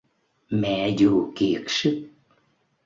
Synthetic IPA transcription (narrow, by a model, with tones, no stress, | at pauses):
mɛ̰˧˨zu˧˨˩ki˨˩ək̚sɨ˦˥k̚